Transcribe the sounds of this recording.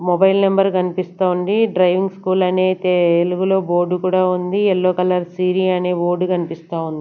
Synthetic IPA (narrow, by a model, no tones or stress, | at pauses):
mɔbɐjlnɐmbɐɾkɐnipist̪aːuɳɖiɖɾɐjʋiŋɡskuːlɐneːt̪eluɡulo̞ːbo̞ːɾɖukuːɽaːund̪iɛlːo̞ːkɐlɐɾsiːɾiːɐne̞ːʋoːɾɖukɐnipist̪aːund̪i